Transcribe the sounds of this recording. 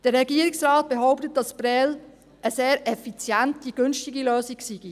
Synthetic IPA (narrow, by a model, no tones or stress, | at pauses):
d̥əɾːɛɡiːɾiksraːt̚b̥eɦoʊptət̚dɑsb̥ɾɛl | əseːɾʔɛfit͡sjɛntiɡ̥ʏnʃtiɡiløːsiksiɡ̥i